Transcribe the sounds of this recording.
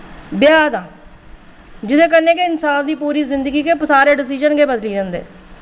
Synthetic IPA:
bɪjaːd̪ãː | d͡ʒɪd̪eːkəɾneːkɪɪnsaːnd̪iːpuːɾiːzɪnd̪əɡiːkepsaːɾeːɖɪs̬ɪd͡ʒənɡeːbəd̪liːd͡ʒãːnd̪ḛː

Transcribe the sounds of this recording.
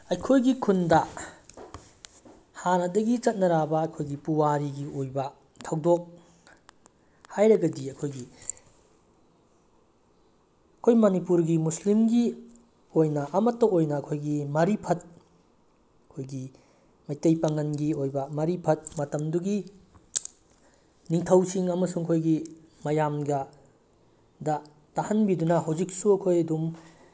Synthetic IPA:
ɐjkʰojɡikʰundɐ | hanɐdɐɡit͡ʃɐt̚nɐɾabɐːjkʰojɡipuwaɾiɡiojbɐ | tʰawdok̚ | hajɾɐɡɐdiɐjkʰojɡi | ɐkʰojmɐnipuɾɡimuslimɡi | ojnɐʔɐmɐtːɐojnɐːkʰojɡimɐɾipʰɐt̚ | ɐkʰojɡi | mɐjtejpaŋɐnɡiojbɐmɐɾipʰɐt̚mɐtɐmduɡi | niŋtʰɐwsiŋɐmɐsuŋɐkʰojɡi | mɐjamɡɐ | dɐ | tahɐnbidunɐɦawzik̚suɐkʰojɐdum

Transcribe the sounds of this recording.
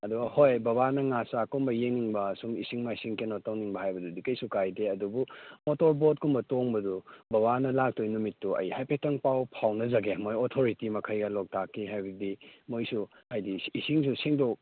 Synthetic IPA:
ɐduɡhojbɐbanɐŋasakumbɐjeŋniŋbɐsumisiŋmajsiŋkenotawniŋbɐhajbɐdudikɐjsukajdeɐdubumotoɾbot̚kumbɐtoŋbɐdubɐβanɐlak̚tojnumitːuʔɐ̰jhajpʰetɐŋpawpʰawnɐzɐɡemojotʰoɾitimɐkʰɐjɡɐlok̚tʰakʰːiɦajbɐdimojsuhajdiːsiŋsusiŋdok̚

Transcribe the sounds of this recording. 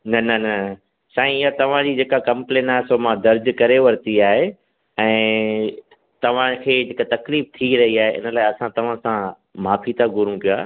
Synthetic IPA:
nɐnɐnɐ | ʃaːĩɪɦat̪ɐʋ̤ãd͡ʑiːd͡ʑeːkakɐ̃mplẽːnaːɦesoːmãd̪ɐɾd͡ʑkɐɾeʋɐɾt̪iaːɦe | ɛ̃ː | t̪ɐʋ̤ãkʰeːd͡ʑekat̪ɐkliːf̚t̪ʰiɾɐɦiaːɦeʔɪ̰nəlaːeɐsãt̪ɐʋ̤ãsã | maːfʰit̪ʰaɡʱʊɾũpijaː

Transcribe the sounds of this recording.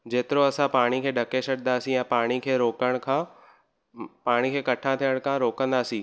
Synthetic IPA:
d͡ʑeːt̪ɪɾoɐsãpaːɽ̃ikʰeːɖʱɐkesɐɽnd̪aːsĩɛ̃paːɽ̃ikʰeːɾoːkəɽ̃kʰãː | paːɽ̃ikʰeːkɐʈʰãt̪ʰijəɽ̃kʰãɾoːkə̃nd̪aːsĩː

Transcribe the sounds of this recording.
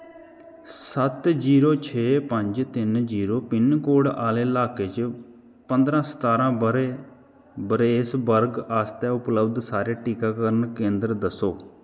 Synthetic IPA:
sət̪d͡ʒiːɾoːt͡ʃʰeːpəɲd͡ʒt̪ɪnd͡ʒiːɾoːpɪnkoːɽaːleːlaːkeːt͡ʃ | pə̃nd̪ɾãːsə̥t̪aːɾãːɾe | bəɾeːɪsbəɾɡaːst̪ɛːʊpləbd̪saːɾeːʈiːkaːkəɾənkẽːnd̪ɾd̪əsoː

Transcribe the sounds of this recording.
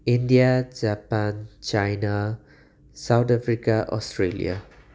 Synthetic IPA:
ind̪ijad͡zapant͡ʃajna | sawt̪afɾikaʔɔ̰strelḭja̰

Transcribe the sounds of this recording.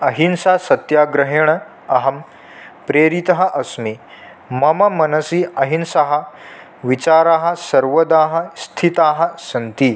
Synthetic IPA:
ɐɦinsɐɦsɐt̪jaːɡɾɐɦeɳ̃ɐ | ɐɦɐm | pɾeːɾit̪ɐɦɐ̆ʔɐsmi | mɐmɐmɐnɐsiːɐɦinsɐɦɐ̆ | ʋit͡ɕaːɾaːɦɐ̆sɐɾʋɐd̪aːɦɐ̆st̪ʰit̪aːɦɐ̆sɐnt̪iː

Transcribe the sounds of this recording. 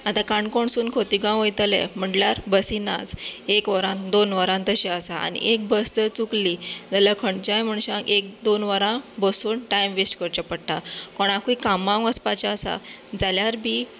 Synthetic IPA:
at̪ãkaɳkoɳsuːnkʰot̪iɡãw̃əjt̪əlɛ̰m̤əɳɖljaɾbəsina̰d͡zekʋəɾãnd̪onʋəɾãnt̪əɕɛəsaa̰nḭʔek̚bəsd̪ət͡suklid͡zaljakʰəɳt͡ɕajm̤əɳɕãkek̚d̪onʋəɾãbəsuːnʈajmʋisʈkəɾt͡ɕapəɽʈakɔɽ̃ãkuikamãŋʋəspat͡ɕaːsa̰d͡zaljaɾbʱi

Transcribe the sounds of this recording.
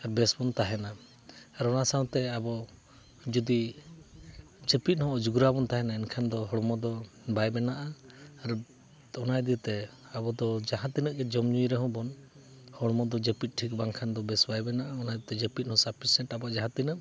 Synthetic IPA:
aɾbɛsbɔnt̪aɦɛna | aɾɔnasaw̃t̪ɛabɔ | d͡ʒɔd̪i | d͡ʒepit̪̚ˀhɔ̃ɔd͡ʒuɡuɾabɔnt̪aɦɛnaɛnkʰand̪ɔɦɔɽmɔd̪ɔ | bajbɛnaʔaːɾ | ɔnajd̪it̪ɛ | abɔd̪ɔd͡ʒaɦãt̪inəʔɡɛd͡ʒɔmɲujɾɛɦɔ̃bɔn | hɔɽmɔd̪ɔd͡ʒepit̪̚ˀʈʰik̚baŋkʰand̪ɔbɛsbajbɛnaʔaɔnajd̪t̪ɛd͡ʒepit̪̚ˀhɔ̃saɾpʰisɛʈabɔd͡ʒaɦãt̪inəp̚

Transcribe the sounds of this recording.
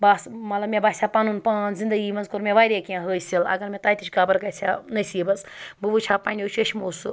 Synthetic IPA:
basmɐtlɐbmebasʲapanunpaːnzind̪ɐɡimɐnzkoɾmʲeʋaːjɾʲekʲãɦəːjsilɐ̰ɡɐɾmʲet̪aːjt̪ʰit͡ʃʰʲɡaːbɐɾkɐjt͡sʰanɐsibɐsbubut͡ʃʰaːpanʲjot͡ʃʰəʃʰʲmosɨ

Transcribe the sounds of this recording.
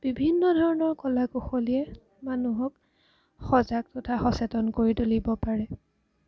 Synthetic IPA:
b̥ibʱinːɔdʱɔɹɔnɔɹkɔlakoxoliɛ | manuɦɔk | xɔzaɡ̚tɔtʰaxɔsɛtɔnkoɹitolibɔpaɹɛ

